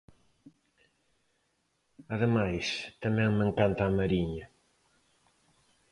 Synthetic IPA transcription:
aðəmajst̪ɐmɛ̃ŋmeŋkant̪aːmɐɾiɲɐ

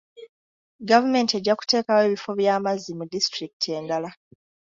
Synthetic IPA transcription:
ɡavume̞nte̞ɟːaku̥te̞ːkawe̞ːβifo̞βjaːmazimudistɾiki̥tʰie̞ːndala

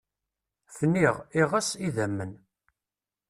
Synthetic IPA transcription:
θənːiʁiʁəsiðæmːən

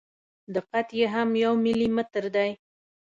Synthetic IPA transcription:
d̪əqat̪jeɦamjawmɪlimət̪əɾd̪aj

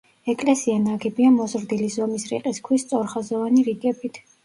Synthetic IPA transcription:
ɛkʼlɛsianaɡɛbiamɔzɾd̪ilizɔmisɾḭqʼiskʰwist̪sʼɔɾχazɔvaniɾiɡɛbit̪ʰ

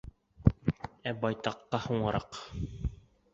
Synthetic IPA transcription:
æbɑjt̪ɑqːɑhuɴɤ̆ɾɑ̰q

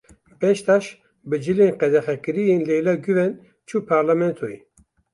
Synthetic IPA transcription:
bɛʃt̪aʃ | bɨd͡ʒɨleːnqɛd̪ɛxɛkɨɾijeːnleːlaɡyvɛn | t͡ʃʰuːpʰaɾlamɛnt̪ʰoi

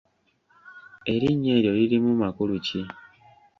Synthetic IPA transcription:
e̞ɾiɲːe̞ːɾjo̞liɾimumakuluci

